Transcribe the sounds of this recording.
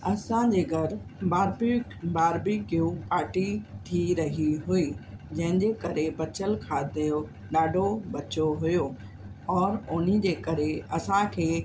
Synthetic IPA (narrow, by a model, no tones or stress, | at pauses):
ɐsãd͡ʑeːɡʱɐɾbaːɾbbaːɾbikijũpaːɾʈit̪ʰiɾɐɦiɦuiːd͡ʑɐ̃ɦɪ̃ɲd͡ʑeːkɐɾebɐt͡ɕəlkʰaːd̪ejo | ɗaːɖʱobɐt͡ɕoɦʊjo | ɔːɾʊnid͡ʑeːkɐɾeɐsãkʰeː